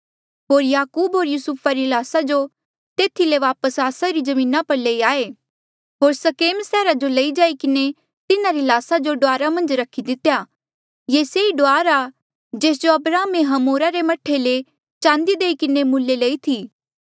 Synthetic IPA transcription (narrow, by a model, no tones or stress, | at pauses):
ɦoːɾjaːkuːbɦoːɾjusupʰaɾilaːsad͡ʒo | t̪eːt̪ʰileʋaːpəsaːsaɾid͡ʒɐmĩːnapɐɾleiaːe | ɦoːɾsɐkeːmsɛːɾad͡ʒolɐid͡ʒaːikɪne | t̪ɪnaɾilaːsad͡ʒoɖoaːɾamɐ̃nd͡ʒɾɐkʰid̪ɪt̪ːeja | jeːseiɖoaːɾa | d͡ʒeːs̬d͡ʒoɐbɾaːmeɦɐmoːɾaɾemɐʈʰːele | t͡ʃãːnd̪id̪eːikɪnemʊlːelɐit̪ʰiː